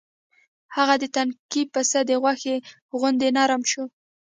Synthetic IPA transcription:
haɣad̪ət̪ankipasad̪əɣwaxe | ɣʊnd̪enɑɾamʃo

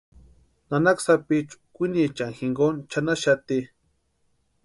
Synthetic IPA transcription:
nanaksapit͡ʃkʷinit͡ʃaŋxiŋɡont͡ʃanaʃat̪i

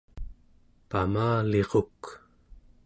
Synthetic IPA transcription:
pamaːleʁok

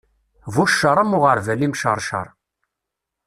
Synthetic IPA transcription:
vuʃːəɾˤæmʊʁəɾvælimʃə̰ɾˤʃə̰ɾˤ

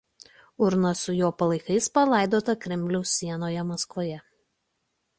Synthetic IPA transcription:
ʊɾnɐsʊjoːpɐlˠɐɪkɐɪspɐlˠɑˑɪd̪oːt̪ɐkɾʲɛmʲlʲɛʊsːʲiɛnoːjɛmɐskʋoːjɛ

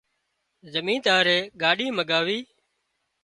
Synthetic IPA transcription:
zəmĩːnt̪aːɾeːɠaːɗiːməɡaːʋiː

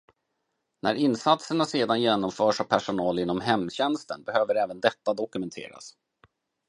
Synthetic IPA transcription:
nʔæ̰ɾɪnsat̪səɳaseːd̪anjeːnɔmfœːʂavpʰæʂʊnɑːlɪnːɔmɦɛmːɕɛnst̪ə̰nbɛhøːvəɾɛːvənd̪ɛt̪ːad̪ɔkɵmɛnt̪ʰḛːɾa̰s

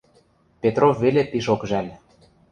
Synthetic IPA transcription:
pet̪rofːelep̪iʃokʒælʲ

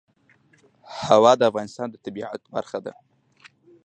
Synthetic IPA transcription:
hawɑd̪əafɣɑnɪst̪ɑnd̪ət̪abiʕa̰t̪ba̰ɾxad̪a̰

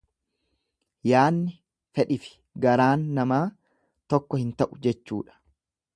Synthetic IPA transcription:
jaːnːɪ | fɛᶑɪfɪ̥ | ɡɐɾaːnːɐmaː | t̪ɔkːɔhɪnt̪ɐʔʊd͡ʒɛt͡ʃːṵːᶑɐ̥

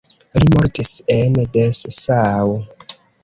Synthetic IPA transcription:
limoɾtisendessaːw

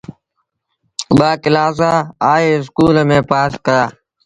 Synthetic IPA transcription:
ɓaːkɪlaːs̬aːaːeːɪs̬kuːlmẽːpaːskəɾaː

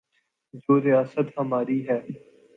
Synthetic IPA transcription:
d͡ʒoːɾɪjaːsət̪ɦɐmaːɾiɦɛː

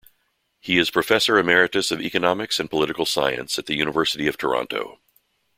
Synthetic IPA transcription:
hiɨz̥pʰɹ̥ɨfɛsə˞ɨmɛɹɨɾɨsʌvḭkɨnɑmɨksɨ̃npʰəlɪɾɨkl̩ˠsa̰ɪɨ̰̃nsɨt̪̚ðɨjʉñəvɜ˞sɨɾiʌv̥tʰə̰˞ɑ̰̃ntʰo̰ʊ

